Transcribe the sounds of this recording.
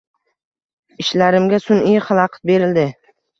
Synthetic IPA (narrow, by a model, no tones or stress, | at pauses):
ɪʃlaɾɪmɡʲasʊnijχɑlˠɑqʰɨt̪̚be̞ɾɪld̪ɪ